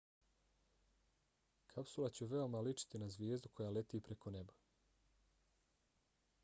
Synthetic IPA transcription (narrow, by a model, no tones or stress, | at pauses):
kʰapsulˠat͡ɕuʋe̞omalit͡ʂi̥t̪inazʋʲjeːzd̪ukʰo̞jale̞t̪iːpɾe̞kone̞bḁ